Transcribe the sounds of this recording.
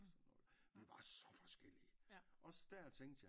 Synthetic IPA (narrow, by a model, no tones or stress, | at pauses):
sɒnːɔ̽ːð̩ˠʋiʋɑ̈sɒ̽fɒ̽sɡ̥el̰iəʔɒ̽sd̥æɐ̰t͡sʰeŋ̰d̥jɑ̈